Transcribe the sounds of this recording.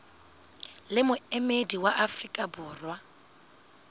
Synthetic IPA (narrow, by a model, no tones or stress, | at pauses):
lɪmʊɛmediwaʔafrikʼabʊːrwa